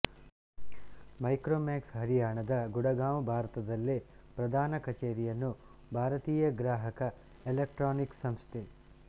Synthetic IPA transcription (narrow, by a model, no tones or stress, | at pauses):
mɐjkɾoːmaːksɦɐɾijaːɳɐd̪ɐɡuɽɐɡaːmbʱaːɾɐt̪ɐd̪ɐlːi | pɾɐd̪ʱaːnɐkɐt͡ʃeːɾijɐnːu | bʱaːɾɐt̪iːjɐɡɾaːɦɐkɐ | elek̚ʈɾaːniksɐmst̪ʰe